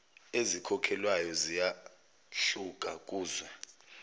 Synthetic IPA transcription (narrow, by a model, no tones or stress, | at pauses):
ezikʰɔkʰɛlwajɔzija | ɬuk̬ʼak̬ʼuːzwa